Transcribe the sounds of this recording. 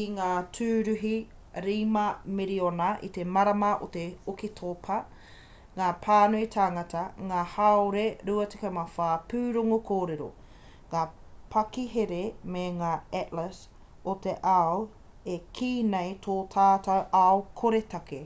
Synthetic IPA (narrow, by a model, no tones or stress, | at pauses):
iŋaːtʰʉːɾʉɦi | ɾiːmɐmeɾionɐʔḭt̪emɐɾɐmɐʔo̰t̪eokitʰopʰɐ | ŋaːpʰaːnuit̪ʰaːŋɐtɐŋaːhaoɾeɾuɐte̥kamafaːpʉːɾoŋokʰoːɾeɾo̰ | ŋaːpʰɐkiɦeɾemeŋaːɛʔləs | ot̪eʔaw | ekʰiːnejtʰoːtʰaːtɐwʔaokʰoɾetɐke